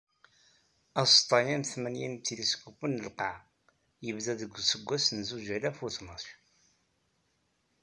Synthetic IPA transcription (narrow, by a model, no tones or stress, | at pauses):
ɑst̪ˤɑjæmθmænjint̪ilisɡufənːəlqɑʕ | jəvðæðəɡʷːsəɡʷːæsnzuʒælæfuθnəθ